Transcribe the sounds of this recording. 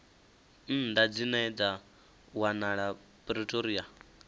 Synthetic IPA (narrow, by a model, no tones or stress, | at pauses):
n̩ndad͡zinɛd͡za | wanaɺa | pʼɾitʼoɾia